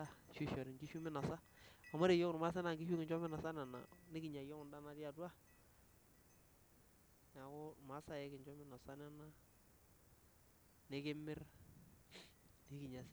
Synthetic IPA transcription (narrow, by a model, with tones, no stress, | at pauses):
a˦ʃu˦ʃɔ˨ɾɪ˨ŋkɪ˦ʃu˦mɪ˦na˨sa˦a˨ma˦ɾe˨jɔ˦kʊ˨n˨ma˦s̬a˦na˨ŋɡɪ˦ʃu˦kɪ˨t͡ʃɔ˦mɪ˦na˨sa˦na˨na̰˨nɪ˦kɪ˨˦ɲa˨jɔ˦ŋʊ˨nda˦˨na˨dja˨dwa˦ | na˨kʊ˦ma˨˦sa˦jɛ˦kɪ˨nt͡ʃɔ˦mɪ˦na˨sa˦na˦na˦ | nɪ˦kɪ˦mɪ˦r | nɪ˦kɪ˨ɲa˨sɪ˦